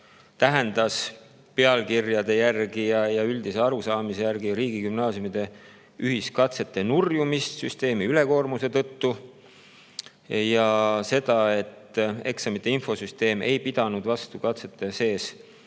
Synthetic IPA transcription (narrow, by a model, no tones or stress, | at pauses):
t̪æɦend̪̥ɑs | pe̞ɑlkirjɑd̪̥e̞jærɡijɑjɑyld̪̥ise̞ɑɾusɑːmise̞jærɡ̥iɾiːɡ̥ikymnɑːsjumid̪̥e̞ | yɦiskɑt̪se̞t̪ːe̞nurjumist̪syst̪e̞ːmiyle̞ko̞ːrmuse̞t̪ɤ̞t̪ːu | jɑse̞d̪̥ɑe̞t̪ːe̞̰ksɑmit̪ːˑe̞info̞syst̪e̞ːmʔe̞̰jpid̪̥ɑnud̪̥vɑst̪ukɑt̪se̞t̪ːe̞se̞ːs